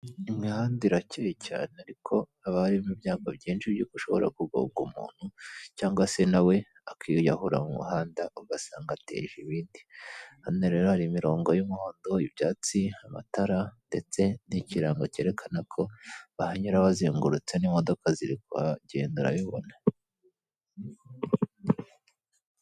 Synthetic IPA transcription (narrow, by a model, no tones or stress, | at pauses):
imŋihaːndiɾacʰejecʰa̰ːneaɾikʰo̞ | aβahaɾiβimibjaːɡabɟeːnʃibjuɡuʃo̞̰βoɾʔa̰kuɡo̰ɡṵmṵːn̥hucaːŋɡwase̞nawe̞ | akʰijahuɾa̰mumṵhaːndaʔuɡasaːŋɡatḛʒiβiːndianeɾeɾohaɾiːmiɾo̞ːŋɡojumuho̞ːndo̞ibjaːt͡siama̰taɾande̞t͡se̞niciɾaːŋɡoce̞ːɾe̞kʰanakʰo̞βahaɲuɾaβaziːŋɡuɾut͡seniːmo̞do̞kaziɾikuaɟeːnduɾa̰βiβo̞̰na